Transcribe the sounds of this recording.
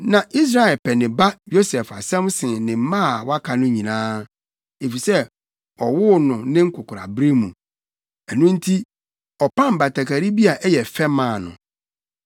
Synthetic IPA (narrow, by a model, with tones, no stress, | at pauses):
nã˨ʔi˦s̬ɾa˨ɛ˨lpʰɛ˨nɪ̃˨ba˦jo˦sɛ˨fa̰˨sɛ̃˦msɪ̃˨nɪ̃˨m˦mã˦˨wa˦kʰa˨nʊ̃˦ɲĩ˨nãː˦ | e˨fi˨sɛ˦ | ɔ˨wʊ˦nʊ̃˨nɪ̃˦ŋ̩˦kʰʊ˨kʰʊ˨ɾa̰˨bɾi˦mũ˨ | ɛ˨nʊ̃˦n̩˦tʰi˦ | ɔ˨pʰã˦m˨ba˨tʰa˨ka˨ɾi˦bi˦a˨ʔɛ˦jɛ˨fɛ˦mãː˨nʊ̰̃˨